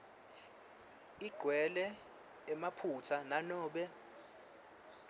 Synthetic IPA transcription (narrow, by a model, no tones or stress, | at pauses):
iɡ͡ǃʱwɛlɛː | mapʰut͡sʰananɔːɓɛ